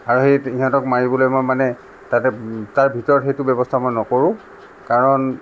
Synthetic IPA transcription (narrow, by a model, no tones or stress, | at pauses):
aɹuxejiɦɔ̃ntɔkmaɹibɔlojmojmanɛ | tatɛtaɹbʱitɔɹɔtxejtʊbɛbɔstʰamɔjnɔkoɹʊ̃ | kaɹɔn